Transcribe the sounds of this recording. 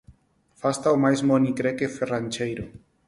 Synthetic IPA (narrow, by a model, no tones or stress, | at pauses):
fast̪awmajsmonikɾekeferant͡ʃejɾo